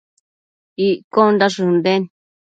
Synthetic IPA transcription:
iʔkond̪aʂund̪en

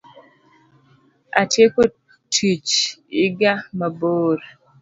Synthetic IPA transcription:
a̰tjeko | tʰit͡ʃɪɡamaboːɾ

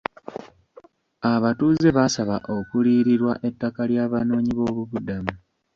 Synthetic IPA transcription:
aβatuze̞βasaβaʔo̞kuliːɾiɾwaʔe̞tːakaljaːβano̞ːɲiβo̞ːβuβudamu

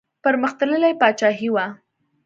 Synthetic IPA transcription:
pəɾməxt̪ələlajpɑt͡ʃɑɦiwa

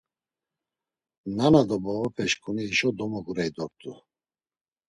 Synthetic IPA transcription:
nanad̪ɔbɔvɔpʰɛʃkʼuniːʃɔd̪ɔmɔɡuɾɛjd̪ɔɾt̪ʰʼu

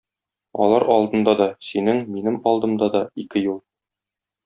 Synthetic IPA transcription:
ɒ̰lˠɑɾʔɒlˠd̪ɤ̆nd̪ɑd̪ɒsinɘŋminɘmɒlˠd̪ɤ̆md̪ɑd̪ɒikɘjulˠ

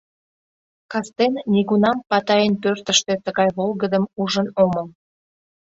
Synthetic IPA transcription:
kɑst̪enːʲiɣunɑmpɑt̪ɑjənpørt̪əʃt̪et̪əɣɑjβolˠɣəd̪əmuʒənoməl

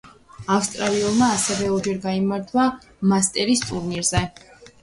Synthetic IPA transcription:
afst̪ʼɾaliulˠmaːsɛvɛɔɾd͡ʒɛɾɡaimaɾt̪ʰwa | mast̪ʼɛɾist̪ʼuɾniɾzɛ

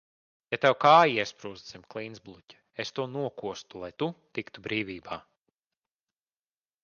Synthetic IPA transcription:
jat̪ɛwkaːjiiɛspɾuːzd̪zimʲklˠinzblˠucʲḁ | est̪uɔnuɔkuɔst̪ulˠajt̪ut̪ikt̪ubɾiːvʲiːbaː

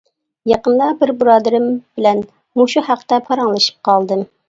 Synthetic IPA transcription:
jɑqənd̪ɑbɪɾbɾɑːd̪ɪɾɪmb̥ɪlɛn | muʃuhæqt̪ɛpʰɑɾɑŋlˠɨʃɨ̥p̚qɑlˠd̪ɨm

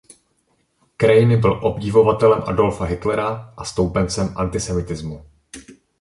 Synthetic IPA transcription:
kɾajɪnɪbɪlʔo̞bɟɪvo̞vat̪ɛlɛmʔa̰do̞lfaɦɪt̪lɛɾaʔast̪o̞wpɛnt͡sɛmʔa̰nt̪ɪsɛmɪt̪ɪzmu

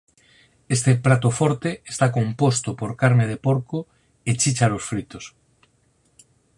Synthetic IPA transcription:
est̪epɾat̪ofoɾt̪eest̪akompost̪opoɾkaɾmeð̞epoɾko | et͡ʃit͡ʃalosfɾit̪os

